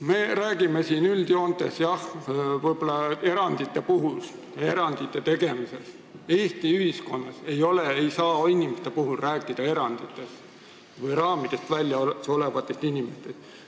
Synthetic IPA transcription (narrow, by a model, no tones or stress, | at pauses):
me̞ɾæːɡ̥ime̞siːnyld̪jo̞ːnt̪ˑe̞sjɑhvɯjbolːɑe̞ɾɑnd̪̥it̪ːˑe̞puɦust̪e̞ɾɑnd̪̥it̪ːˑe̞t̪e̞ɡ̥e̞mise̞s | e̞ːst̪iyhisko̞nːɑse̞jo̞leejsɑːinʲimest̪e̞puɦulræːkːˑid̪̥ɑe̞ɾɑnd̪̥it̪ːˑe̞s | vɯjrɑːmid̪̥e̞st̪vælʲjɑso̞levɑt̪ːˑest̪inʲimest̪e̞st̪